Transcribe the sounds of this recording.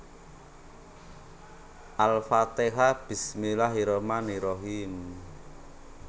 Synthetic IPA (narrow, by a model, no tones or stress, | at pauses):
ʔalfat̪eɦab̥i̤smilaɦiɾɔmaniɾɔɦim